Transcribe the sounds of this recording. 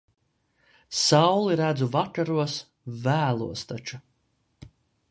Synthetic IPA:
sawlˠiɾæd̪zuvakaɾuɔs | væːlˠuɔst̪at͡ʃu

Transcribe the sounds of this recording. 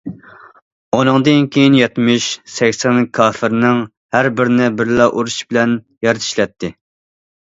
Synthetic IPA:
onɨŋd̪ɨnkʲʰejinjɛt̪mɪʃsɛkʲsɛnkʰɑːfɪɾnɪŋ | hæɾbɪɾnɪbɪɾlɑʔuɾuʃbɪlɛn | jɑɾt̪ʰi̥ʃlɛt̪ʰːɪ

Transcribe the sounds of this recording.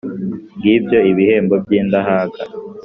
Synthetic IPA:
ŋɡiːbjoiβihe̞ːmbob̚ɟiːnd̪aɦaːkʰa

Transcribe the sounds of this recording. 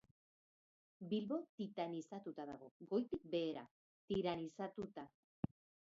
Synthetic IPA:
bilβo̞t̪it̪anisat̪ut̪aða̰ɣ̞o̞ɡo̞jt̪ik̚be̞ːɾa̰ | t̪iɾanisat̪ut̪a

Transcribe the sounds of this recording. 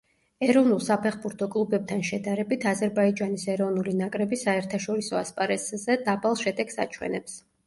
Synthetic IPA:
ɛɾɔvnulˠsapʰɛχbuɾt̪ʰɔkʼlˠubɛb̚t̪ʰanʃɛd̪aɾɛbit̪ʰazɛɾbaid͡ʒanisɛɾɔvnulinakʼɾɛbisaɛɾt̪ʰaʃɔɾisɔaspʼaɾɛszɛd̪abalˠʃɛd̪ɛksa̰t͡ʃʰwɛ̰nɛps

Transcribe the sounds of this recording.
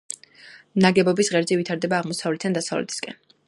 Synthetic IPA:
naɡɛbɔbisʁɛɾzɛvit̪ʰaɾd̪ɛbaːʁmɔsavlɛt̪ʰand̪asavlɛ̰t̪ʰi̥skʼɛ̰n

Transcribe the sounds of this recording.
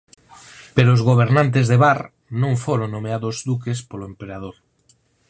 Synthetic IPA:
peɾoːzɣ̞oβ̞eɾnãnt̪̬ezðeβaɾ | nõŋfoɾoŋnõmeaðozd̪ukespoloempeɾað̞oɾ

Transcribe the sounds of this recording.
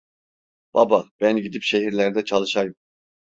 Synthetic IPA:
b̥a̰bab̥ænɟid̪ipʃe̞ɦiɾlʲæɾd̪ɛt͡ʃʰalˠɯʃajɯm

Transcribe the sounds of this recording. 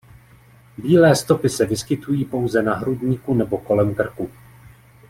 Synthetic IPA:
biːlɛːst̪o̞pɪsɛvɪskɪt̪ujiːpo̞wzɛnaɦɾudɲikunɛbo̞ko̞lɛmkr̩ku

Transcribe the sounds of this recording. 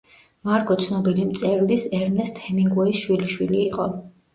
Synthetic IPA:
maɾkʼɔt̪sʰnɔbilimt̪sʼɛɾlisɛɾnɛst̪ʰɛniŋɡuɛsʃwiliʃwiliːqʼɔ

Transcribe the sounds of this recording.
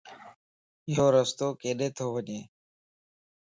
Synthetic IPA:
joːɾəst̪oːkeːɗeːt̪ʰoːʋəɲeː

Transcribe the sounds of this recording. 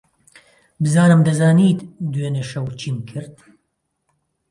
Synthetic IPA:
bɨzaːnɨmd̪ɐzaːniːt̪d̪weːneʃɐwt͡ʃʰiːmkʰɨɾt̪̚

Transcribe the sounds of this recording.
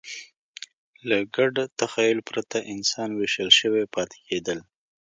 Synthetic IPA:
laɡaɖt̪axɑjʊlpɾat̪aʔɪnsɑnweʃəlʃəwepɑt̪ʰɪ̥ked̪əl

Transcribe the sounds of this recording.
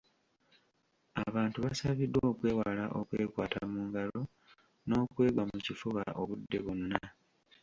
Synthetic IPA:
aβaːntuβasaβidːwo̞ːkwe̞ːwala̰ʔokwe̞ːkwaːta̰muːŋɡalo̞ | no̞ːkwe̞ːɡwamucifuɣaʔo̞βudːe̞βunːa

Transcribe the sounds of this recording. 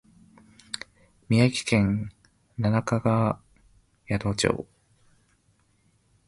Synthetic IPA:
mʲiakʲi̥kẽ̞ŋ | nanakaɡa | jad̪o̞ːt͡ɕo̰ː

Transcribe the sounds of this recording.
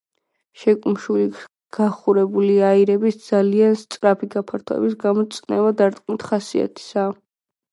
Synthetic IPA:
ʃɛkʼunʃuli | ɡ̥aχuɾɛbuliaiɾɛbisd̪zalianst̪sʼɾapʰiɡapʰaɾt̪ʰɔɛ̰bisɡamɔt̪sʼnɛvad̪aɾt̪ʼkʼmit̪ʰχasḭa̰t̪ʰi̥sa

